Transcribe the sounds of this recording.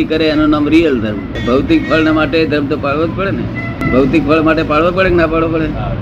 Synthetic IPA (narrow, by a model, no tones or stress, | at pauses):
ikəɾeːnonamɾijəld̪ʱəɾm | bʱəʋt̪ik̚pʰəlnamaʈed̪ʱəɾmt̪opaɭʋad͡ʒpəɽenḛ | bʱəʋt̪ik̚pʰəɭmaʈepaɽʋap̬əɽeknapaɭʋopəɽe